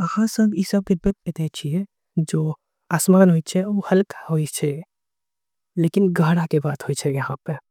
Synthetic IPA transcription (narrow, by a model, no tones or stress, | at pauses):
ɐhãsə̃ŋɡisəb̚ɡɪbet̪̚et̪ɛt͡ʃʰiɛ | d͡ʒoː | aːsmaːnɦoit͡ʃʰɛohɐlkhoːit͡ʃʰɛ | leːkɪnɡʱɐɦɽakebaːt̪ɦoit͡ʃʰɛjɐɦãpe